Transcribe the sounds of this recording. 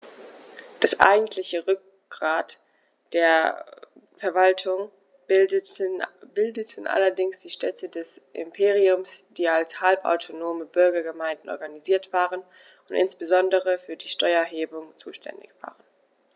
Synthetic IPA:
d̥asʔa̰ɪɡŋ̩tʰlɪçəʁʏk̚ | ɡ̥ʁaːt | d̥eːɐ | fɛɐvaltʰʊŋ | bɪldətʰn̩ʔa̰lɐdɪŋsd̥iːʃtʰɛtʰədɛsʔɪ̰mpʰeːʁiʊmsd̥iːalshalpa̰ʊtʰonoːməbʏɐɡɐɡəmaɪ̃ndn̩ʔɔ̰ɐɡaniziːɐtv̥aːʁən | ʊntʔɪ̰nsb̥əzɔndəʁəfyːɐdiːʃtɔʏɐɦeːbʊŋt͡suːʃtʰɛ̰ndɪ̰çv̥a̰ːʁən

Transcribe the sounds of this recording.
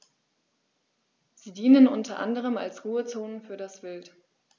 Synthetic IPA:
z̥iːdiːnənʔʊntɐʔa̰ndəʁ̞əma̰lsʁuːət͡soːnənfyːɐɾasv̥ɪlt

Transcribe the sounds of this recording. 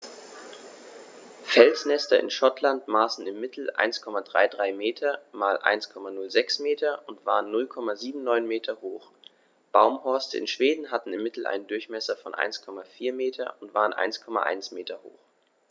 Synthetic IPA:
fɛlsnɛstɐ̰ʔɪ̰nʃɔtʰlantmaːsn̩ɪmːɪtʰl̩ʔa̰ɪnskʰɔmadʁa̰ɪdʁaɪmeːtʰɐmaːlʔa̰ɪnskʰɔmanʊlzɛksmeːtʰɐʊntv̥aːʁənːʊlkʰɔmaziːbm̩nɔʏnmeːtʰɐhoːx | b̥aʊmhɔɐstəɪ̰nʃv̥eːdn̩ɦatn̩ɪmːɪtl̩ʔa̰ɪnəndʊɐçmɛsɐfɔ̰nʔa̰ɪnskʰɔmafiːɐmeːtʰɐ̰ʊntv̥a̰ːʁənʔa̰ɪnskʰɔma̰ʔa̰ɪnsmeːtɐho̰ːx

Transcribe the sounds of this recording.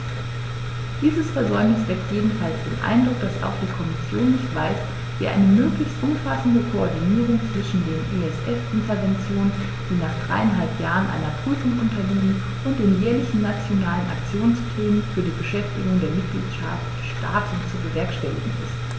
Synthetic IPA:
d̥iːzəsfɛɐzɔʏmnɪsv̥ɛktjeːdn̩falsd̥eːnʔa̰ɪndʁʊk̚d̥asa̰ʊxd̥iːkʰɔmɪsjoːnːɪçtv̥aɪs | viːʔa̰ɪnəmøːklɪçstʔʊmfasn̩dəkʰoɔɐdiniːʁ̞ʊŋt͡sv̥ɪʃn̩deːnʔeɛsʔɛfɪntɐɐvɛnt͡sjoːnən | d̥iːnaːχd̥ʁaɪanɦalpjaːʁənʔa̰ɪnɐpʁ̥yːfʊŋʔʊntɐliːmən | ʔʊntd̥eːnjɛːɐlɪçn̩nat͡sjonaːlənʔa̰kt͡sjoːnsplɛːnənfyːɐdiːbəʃɛftɪɡʊŋdeːɐmɪt̚ɡ̥lḭːtʃa̰ft | ʃta̰ːtsʊntt͡suɡəvɛɐkʃtɛlɪ̰ɡŋ̩ɪ̰st

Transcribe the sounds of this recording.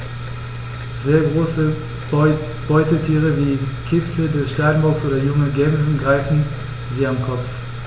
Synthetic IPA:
zeːɐɡʁoːsə | b̥ɔʏtətʰiːʁ̞əviːkʰɪt͡sl̩dɛsʃtaːn̩bʊɐksʔoːdɐjʊŋəɡɛmzn̩ɡʁaɪfn̩ | ziːamkʰɔp͡f

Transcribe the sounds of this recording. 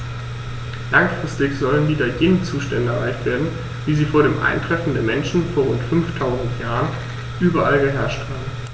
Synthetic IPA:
laŋfʁ̥ɪstɪçz̥ɔlənviːdɐjeːnnt͡suːʃtɛndəɛɐʁa̰ɪçtv̥eːɐdn̩ | viːziːfoːɐɾeːmʔa̰ɪntʁ̥ɛfn̩deːɐmɛnʃn̩foːɐʁʊntfʏnftʰaʊzn̩tjaːʁən | ʔyːbɐʔalɡəɦɛɐʃthaːbm̩

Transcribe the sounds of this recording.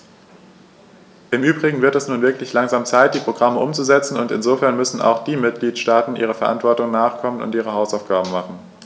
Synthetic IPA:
ʔɪmʔyːbʁɪɡŋ̩vɪɐtɛsnuːnvɪɐklɪçlaŋzaːmt͡saɪt̚d̥iːpʁ̥oɡʁaməʔʊmt͡suzɛt͡sn̩ʊntɪnzoːfɛɐnmʏsn̩ʔa̰ʊxd̥iːmɪt̚ɡ̥liːtʃtaːtn̩ʔiːʁ̞əfɛɐʔa̰ntv̥ɔɐtʊŋnaːχkʰɔmənʊ̰ntʔiːʁ̞əɦaʊsaʊfɡ̥aːbm̩maχn̩

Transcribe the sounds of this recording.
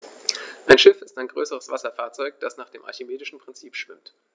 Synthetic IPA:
ʔaɪnʃɪfɪstaɪnɡʁøːsəʁəsv̥asɐfaːɐt͡sɔʏk̚d̥asnaːχd̥eːmʔa̰ɐçemeːdɪʃn̩pʁ̥ɪnt͡siːpʃv̥ɪmt

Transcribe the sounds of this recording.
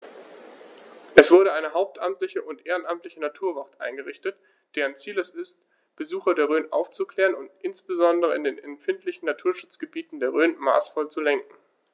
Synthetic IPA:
ʔɛsv̥ʊɐɾəʔaɪnəɦaʊp̚tʰʔamtlɪçəʔʊntʔeːʁənʔamtlɪçənatʰuːɐvaʁtʔa̰ɪnɡəʁɪçtət | d̥eːʁənt͡siːləsɪst | b̥əzuːxɐdeːɐʁøːnʔa̰ʊft͡sukl̥ɛːʁənʊntʔɪnsb̥əzɔndəʁəɪ̰ndeːnɛmfɪntlɪçn̩natʰuːɐʃʊt͡sɡ̥əbiːtn̩deːɐʁ̞øːnma̰ːsfɔlt͡sulɛŋkŋ̩

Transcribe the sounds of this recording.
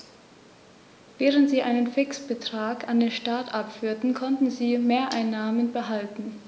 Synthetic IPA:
vɛːʁ̞əntz̥iːʔaɪnənfɪksb̥ətʁ̥aːkandeːnʃtaɐtʔapfyːɐtn̩kʰɔntn̩ziːmeːɐʔaɪnːaːmənbəɦaltn̩

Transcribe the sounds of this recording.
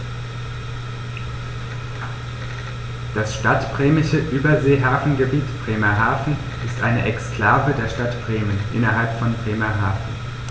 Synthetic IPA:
d̥asʃtatb̥ʁɛːmɪʃəʔyːbɐzeːɦaːfn̩ɡəbiːtb̥ʁeːmɐɦaːfn̩ | ɪstʔaɪnəʔɛkskl̥aːvədeːɐʃtatb̥ʁeːmənʔɪnɐɦalpfɔnbʁeːmɐɦaːfn̩

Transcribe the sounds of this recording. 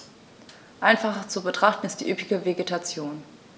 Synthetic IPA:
ʔaɪnfaχɐt͡subətʁ̥aχtn̩ɪstd̥iːʔyːpɪɡəveɡetʰat͡sjoːn

